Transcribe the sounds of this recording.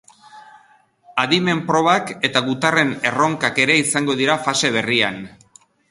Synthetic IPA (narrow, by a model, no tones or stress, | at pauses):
aðime̞mpɾo̞β̞ake̞t̪aɣut̪are̞ne̞ro̞ŋkake̞ɾe̞isaŋɡo̞ðiɾafase̞β̞e̞rian